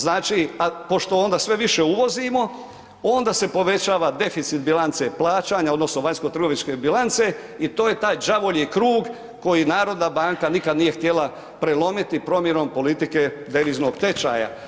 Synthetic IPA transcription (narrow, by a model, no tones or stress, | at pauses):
znaːt͡ʃiapo̞ʃt̪oo̞nd̪asʋe̞ʋiʃe̞uʋo̞zimo̞ | ond̪ase̞po̞ʋe̞t͡ɕaːʋad̪e̞fit̪sit̪bilˠant̪se̞plˠaːt͡ʃaɲao̞d̪nosnoʋaɲsko̞t̪r̩ɡo̞ʋiɲske̞bilant̪se̞ | it̪o̞ːjet̪aːjd͡ʒaʋo̞ʎikɾuːɡ | ko̞jinaːɾo̞d̪nabaŋkanikad̪nije̞xt̪je̞lˠa | pɾelo̞mit̪ipɾo̞mje̞no̞mpo̞lit̪ike̞d̪e̞ʋizno̞ɡt̪e̞t͡ʃa̰ːja̰